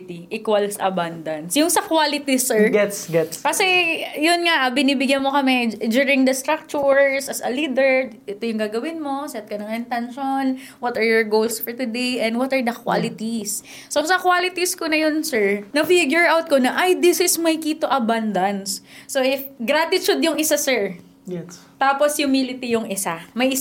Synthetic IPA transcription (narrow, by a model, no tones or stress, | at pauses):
t̪iʔikwɐlsʔɐ̰band̪ɐnsjʊŋsɐkwaːlɪt̪isɛɹɡɛt̪sɡɛt̪skɐsɛjʊnŋaʔɐbɪniːbɪɡjɐnmokɐmɛd͡ʒuːɹɪŋd̪ɐst̪ɾak̚t͡ʃuɹsɐsɐlid̪ɛɹʔɛt̪ojʊŋɡaːɡɐwɪnmo̞sɛt̪̚kɐnɐŋɪnt̪ɛnʃon | wɐt̪ɐɹjɔɹɡowlsfɔɹt̪ʊd̪ejʔɛnd̪wɐt̪ɐɹd̪ɐkwa̰lɪt̪isː | osɐkwaːlɪt̪iskonɐjonsɛɹnɐfiɡjʊɹawt̪̚konɐʔajd̪ɪsɪsmɐjkiːt̪oʔɐband̪ɐnsːoʔɪfɡɾat̪ɪt͡ʃʊd̪jʊŋɪsasɛɹ | t̪aːposjʊmilɪt̪ijʊŋɪsamɐjʔɪs